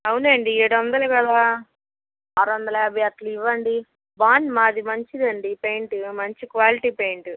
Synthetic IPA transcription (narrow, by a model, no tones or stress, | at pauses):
ɐwuneːɳɖieːɽuʋɐnd̪ɐlɐkɐlaː | aːɾuʋɐnd̪ɐlɐjaːbʱɐjaːtluiʋːɐɳɖi | baːnmaːd̪imɐɲt͡ʃid̪ɐɳɖipejɳʈumɐɲt͡ʃikʋaːliʈiːpejɳʈ